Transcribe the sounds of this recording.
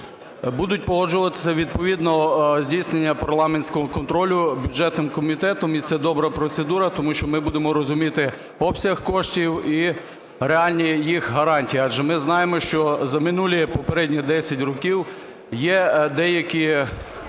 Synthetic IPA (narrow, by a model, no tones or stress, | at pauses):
bud̪ʊtʲpɔɦˠɔʒʊʋɐt̪ɪ̥sʲɐʋʲid̪̚pɔʋʲid̪nɔzʲdʲijsnenʲːɐpɐrlˠɑmenʲsʲkɔɦɔkɔnt̪ɾɔlʲʊbʲud͡ʒɛt̪nɪmkɔmʲit̪ɛt̪ɔmit̪sɛd̪ɔbɾɐpɾɔt̪sed̪uɾɐt̪ɔmuʃt͡ʃɔmɪbud̪emɔɾɔzʊmʲit̪ɪ | ɔpsʲɐxkɔʃtʲiwi | ɾeɑlʲnʲijixɦɐɾɑnʲtʲijɑd͡ʒɛmɪznɑjemɔʃt͡ʃɔzɐmɪnulʲipɔpeɾɛdʲnʲid̪ɛsʲɐtʲrɔkʲiw | jɛd̪ɛjɐkʲi